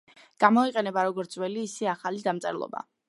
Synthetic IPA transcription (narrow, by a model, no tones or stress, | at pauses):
ɡ̥amɔiqʼɛnɛbaɾɔɡɔɾt̪sʰwɛliːsɛaχalid̪amt̪sʼɛ̰ɾlˠɔ̰ba̰